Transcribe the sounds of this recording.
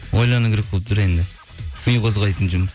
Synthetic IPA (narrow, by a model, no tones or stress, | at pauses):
wojlˠɑnəɡʰʲɪɾɪk̚ʲʰolˠəp̚t̪ʰʊɾend̪ɪ | kʰʊjqʰozʁɑjt̪ənd͡ʒʊm